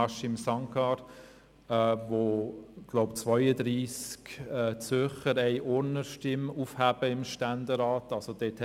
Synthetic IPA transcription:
ɑʃɪmsɑŋkɑɾ | voɡ̥lɔʊpt͡svœʏəd̪ɾiːskɛːt͡sʏχəɾɛɪʔɔɾnəʃtɪmufhæb̥əɪmʃtændəɾaːtɑlsod̥etʰ

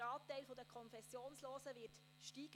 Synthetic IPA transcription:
ɑːtɛɪlfodəkʰɔnfɛsjoːnsloːsəʋɪːt | ʃtiːɡ̥

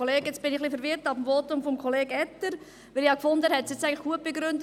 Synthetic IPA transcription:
oleːɡɪt͡sb̥ɪnɪχlifəɾʋɪɾtɑfm̩fotʊmfɔmkʰɔleːɡ̥ɛtːəɾ | ʋɪlɪɑkfʊndəhɛtsjett͡sːæɪɡŋləχɡ̥uət̚b̥eɡɾʏndə

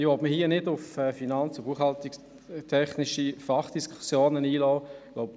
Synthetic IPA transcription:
ɪɔbməhiənɪdʊfɛfinɑnt͡sobuəχhɑlt̪ɪk | tʰɛχnɪʃifɑχd̥iskʰu̥sjoːnəniːlɔːɡloʊp

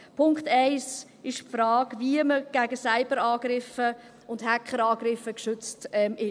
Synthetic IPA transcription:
pʰʊŋkχtæɪs | ɪʃpfɾɑːɡviəməɡ̥æɡəsæɪbəɾɑːɡ̥ɾɪfə | ʊnthækχəɾɑːɡɾɪfəkʃʏt͡stɛmɪ

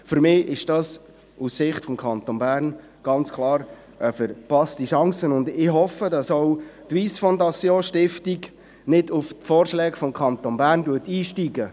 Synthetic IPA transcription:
fʏɾmɪːʔɪʃd̥ɑs | ussɪχtfɔmkʰɑnt̪onbæːɾn | ɡ̥ɑnt͡skʰlˠɑːɾ | ɛfəɾpɑstiʃɑŋsənʊndɪɦɔfədɑsɔʊtʋiːsfɔndɑsjoːʃtɪftiɡ | nɪdʊftfɔːɾʃlɛːɡfɔmkʰɑnt̪onbæːɾndutiːʃtiɡə

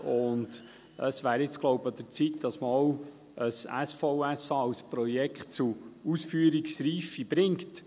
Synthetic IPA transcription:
ʊnd̥ | əsʋæːɾɪt͡sɡ̥lɔwbəd̪ət͡sit̪d̥̪ɑsməɔw | əsæ̰sfɔʊæsɑɑwspɾɔjɛkχt̚t͡suusfyːəɾiksɾiːfibɾɪŋkt

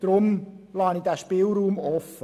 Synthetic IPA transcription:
d̥ɾʊm | lɑːnidæːʃpɪlɾuːmɔfə

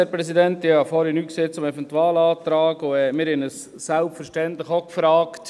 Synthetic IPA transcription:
æɾpɾɛsidɛntɪɑfɔɾənyːkseːt͡sʊmɛvɛntuaːlɑːt̪ɾaːɡʊɛmɪːɾhɛnəs | sælpfəɾʃtɛntləχokfɾaːkt

